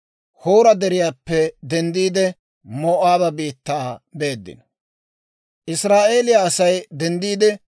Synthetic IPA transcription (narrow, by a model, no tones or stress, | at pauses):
hoːɾɐd̪ɛɾɪjaːpːɛd̪ɛnd̪iːd̪ɛ | moːʔaːbɐbiːt̪ːaːbe̞ːd̪ːɪ̰n | ʔɪsɾaːʔe̞ːlɪjaːsɐjd̪ɛnd̪iːd̪ɛ